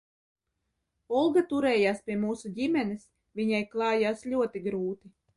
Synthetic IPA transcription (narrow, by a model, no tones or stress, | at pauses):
ɔlˠɡat̪uɾɛːjaːspʲiɛmuːsuɟʲimʲɛnɛs | vʲiɲajklˠɑːjaːsʎʲuɔt̪iɡɾuːt̪i